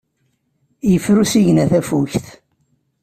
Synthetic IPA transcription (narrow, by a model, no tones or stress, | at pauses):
jəfːɾusiʝənæθæfuçθ